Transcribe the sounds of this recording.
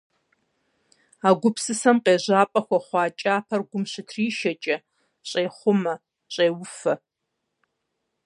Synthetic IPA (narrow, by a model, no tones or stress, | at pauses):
aːɡʷʊpʰsɨsɐmqeːʑaːpʼɐxʷɐχʷɑːt͡ʃʼaːpʰɐrɡʷʊmɕɪtʰriːʃɐt͡ʃʼɐ | ɕʼeːχʷʊmɐ | ɕʼeːwʊfɐ